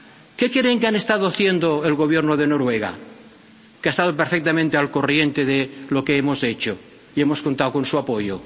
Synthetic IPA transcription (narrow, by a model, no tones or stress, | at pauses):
ke̞ke̞ɾeŋkeane̞st̪að̞oaθje̞nd̪oelɣo̞β̞je̞ɾnoðe̞no̞ɾwe̞ɣa̰ | keast̪aðopeɾfek̚t̪amẽnt̪ealko̞rje̞nt̪eðelo̞keemo̞se̞t͡ʃo | ie̞mo̞sko̞nt̪awko̞nsuapo̞jo